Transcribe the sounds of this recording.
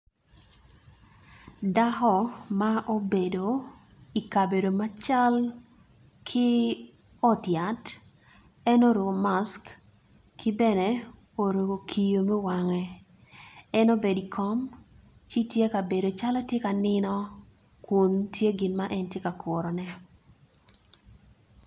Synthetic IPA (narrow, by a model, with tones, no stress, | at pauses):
da˦hɔ˦maʔo˦be˨do˨i˨ka˨be˨do˨ma˦t͡ʃa˦l | kʰɪ˦ | ɔ˦tja˨t | ɛ˦no˦ɾo˨ɡo˨ma˦sk | kʰɪ˦bɛ˦nɛ˦ | o˨ɾo˨ɡo˨kʰi˨jo˨mɛ˦wa˨ŋɛ˨ | ɛ˦no˦be˨di˨kʰɔ˦m | t͡ʃi˦tje˦ka˨be˨do˨t͡ʃa˦lɔ˦tje˦ka˨nɪ˦nɔ˦ | ku˨ntʰje˦ɡɪ˨nmaʔɛ˦ntje˦ka˨kʰɔ˨ɾɔ˨nɛ˦